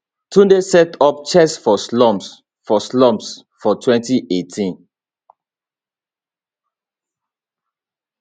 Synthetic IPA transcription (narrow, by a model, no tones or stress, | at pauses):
tʰudesɛtɔp̚t͡ʃɛsfɔslɔ̃ms | fɔslɔ̃ms | fɔtʰwɛ̃ntiʔetʰĩn